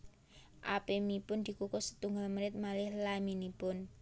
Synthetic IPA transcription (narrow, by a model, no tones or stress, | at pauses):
ʔa̰pemipʊnd̪̥i̤kukʊsə̥t̪uŋɡalməɾɪt̪̚malɪhlaminipʊn